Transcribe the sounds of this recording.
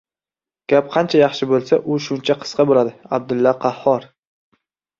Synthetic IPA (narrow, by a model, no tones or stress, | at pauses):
ɡ̥ʲap̚qʰɑnt͡ʃʰajɑχʃɪbolˠsaʔʊʃʊnt͡ʃʰaqʰɨ̥sqɑbolad̪ɪab̚d̪ɪlːɒqʰɑhːɒɾ